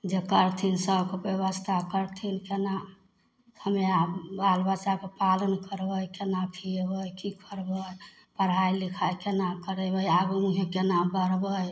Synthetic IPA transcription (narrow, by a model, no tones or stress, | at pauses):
d͡ʒekəɾt̪ʰinsəbkebjeβəst̪ʰakəɾt̪ʰinkena | həmeabalbat͡ʃakepalənkəɾbəjkenapʰibəjkikʰəɾbəj | pəɾ̤ɦajlikʰajkenakəɾebəjaɡumuɦekenabəɾbəj